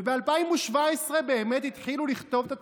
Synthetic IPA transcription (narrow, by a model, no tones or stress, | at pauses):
bealpaimuʃvaesʁe̞beːme̞t̪it̪χiluliχt̪o̞vt̪a